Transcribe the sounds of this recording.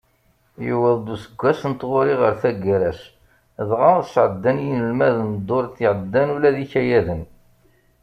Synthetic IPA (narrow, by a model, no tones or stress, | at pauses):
juwæðˤd̪usəɡʷːæsənt̪ːʁʊɾiʁəɾθæɡɾæʃ | əðʁɑʁsʕəd̪ːænjinəlmæðənd̪ˤːoɾt̪ːiʕəd̪ːænulæðiçæjæðən